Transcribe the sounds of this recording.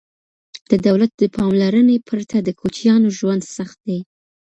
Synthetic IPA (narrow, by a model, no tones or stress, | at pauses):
d̪̥əd̪awlat̪̚d̪əpʰɑmlaɾənepʰəɾt̪ʰad̪əkʰot͡ʃjɑnoʒwand̪saxt̪̚d̪e